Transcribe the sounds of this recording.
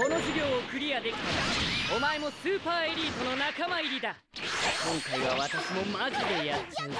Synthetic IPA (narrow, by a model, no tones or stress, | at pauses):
o̞no̞ʑiɡʲo̞ːokɯ̟ɾʲiad̪e̞kʲi̥t̪akao̞mae̞mo̞sɨːpaːeɾʲiːt̪o̞no̞nakamaiɾʲid̪a | kõ̞ŋkaiβaβat̪aɕimo̞maʑid̪e̞jasɨ